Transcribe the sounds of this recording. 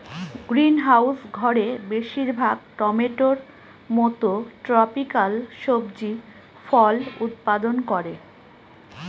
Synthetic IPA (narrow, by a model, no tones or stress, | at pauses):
ɡɾinɦawsɡʱɔɾebeʃiɾbʱaɡʈɔmeʈoɾ | mɔt̪oʈɾɔpikalʃobd͡ʑi | fɔlut̪̚pad̪onkɔɾe